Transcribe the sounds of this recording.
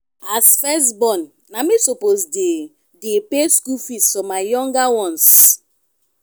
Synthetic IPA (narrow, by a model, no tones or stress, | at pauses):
asfɛstbɔ̃nː | amisopozde | depeskufisɔmaɪjɔ̃ŋɡawɔ̃ns